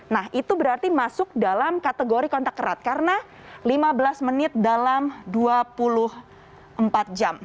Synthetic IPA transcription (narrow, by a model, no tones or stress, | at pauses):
nahʔit̪ubəɾart̪imasʊk̚dalamkat̪əɡoɾikɔnt̪akːəɾa̰t̪̚kaɾəna | limabəlasmənɪt̪̚dalamduapulʊh | ʔəmpat̪̚d͡ʒam